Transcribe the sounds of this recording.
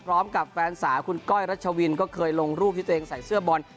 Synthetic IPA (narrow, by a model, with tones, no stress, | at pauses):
pʰɾɔː˦˥mka˨˩p̚fɛː˧nsaː˩˦kʰu˧nkɔː˥˩jɾa˦˥t̪̚t͡ɕʰa˧wi˧nkɔː˥˩kʰɤː˧jlo˧ŋɾuː˥˩p̚t̪ʰi˥˩t̪ʔeː˧ŋsa˨˩jsɯ˥˩ɐbɔ˧n